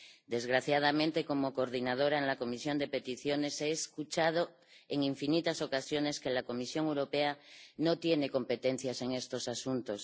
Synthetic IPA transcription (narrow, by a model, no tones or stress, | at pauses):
d̪e̞zɣɾaθjað̞amẽnt̪e̞ko̞mokoɾðinað̞o̞ɾaenlako̞misjo̞nd̪e̞pe̞t̪iθjo̞ne̞seːskut͡ʃað̞o | eŋiɱfinit̪aso̞kasjo̞ne̞skelako̞misjo̞ŋewɾo̞peanot̪je̞ne̞ko̞mpe̞t̪e̞n̟θjase̞ŋe̞st̪o̞sasunt̪o̞s